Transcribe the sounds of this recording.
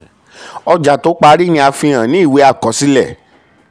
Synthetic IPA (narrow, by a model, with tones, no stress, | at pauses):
ɔ˧d͡ʒa˨to˨˦k͡pa˧˦ɾi˦nĩ˧a˧fĩ˧ã˨nĩ˦i˦˨we˨˦a˦˨kɔ˨˦si˦lɛ˦˨